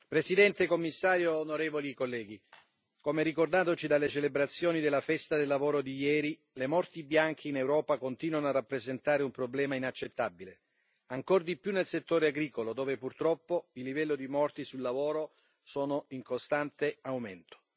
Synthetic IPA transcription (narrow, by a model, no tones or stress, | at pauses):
pɾesid̪ɛnt̪ekomːisːaːɾjoːnoɾeːvolikolːɛːɡi | komeɾikord̪aːt̪ot͡ʃid̪alːet͡ʃelebɾat̪sːjoːnid̪elːafɛst̪ad̪elːavoːɾod̪ijɛːɾi | lemɔrt̪ibjaŋk̟ʰiːnewɾɔːpakont̪iːnwanoarːapːɾezent̪aːɾeumpɾoblɛːmainat͡ʃːet̪ːabile | aŋkord̪ipjunːelset̪ːoːɾeaɡɾiːkolod̪oːvepurt̪ɾɔpːoilːivɛlːod̪imɔrt̪isulːavoːɾo | soːnoiŋkost̪ant̪eawment̪o̥